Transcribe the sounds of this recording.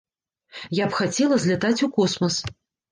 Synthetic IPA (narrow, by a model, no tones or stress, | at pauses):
japxat͡sʲɛlˠɐzʲlʲɛt̪at͡sʲukɔsmɐs